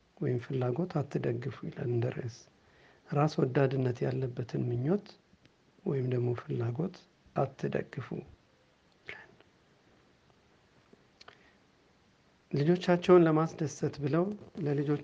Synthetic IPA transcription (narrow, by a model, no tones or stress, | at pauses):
wɔjɪmfɨlːaɡo̞t̪ʰat̪ːɨd̪əɡːɨfujɪ̰la̰lɨnd̪əɾə̰s | ɾaswɔd̪ːad̪ɨnːət̪ja̰lːəbːət̪ʰɨnmɨɲːo̞t̪ | wɔjɪmd̪əɡmo̞fɨlːaɡo̞t̪ | ʔat̪ʰːɨd̪ə̰ɡːɨfṵ | lal | lɨd͡ʒo̞t͡ʃːat͡ʃːɛwnləmasd̪əsət̪bɨləwləlɨd͡ʒo̞